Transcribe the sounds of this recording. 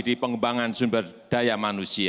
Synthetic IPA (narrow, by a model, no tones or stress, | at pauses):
dipəŋəmbaŋansumbərd̥ajamanusia